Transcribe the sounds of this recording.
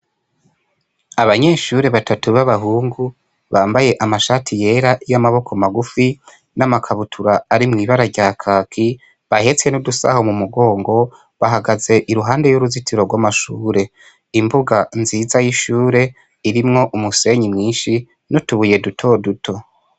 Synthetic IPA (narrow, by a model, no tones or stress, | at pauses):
aβaɲe̞ːʃuːɾe̞βatatuβaβaɦuːŋɡu | βaːmbaje̞ʔamaʃaːtʰije̞ːɾaʔijamaβo̞kʰomaɡufi | namakʰaβutʰuɾaːɾimŋiːβaɾaɾɟaːkʰaːkʰi | βahe̞t͡se̞nudusa̰homumuɡo̞ːŋɡo̞ | βaɦaɡaze̞ʔiɾuɦaːnde̞juɾuzitʰiɾo̞ɾɡwamaʃuːɾe̞ | imbuɡanziːzajiʃuːɾe̞ | iɾimŋo̞ʔumuse̞ɲimŋiːnʃi | nutuβuje̞dutʰo̞dutʰo̞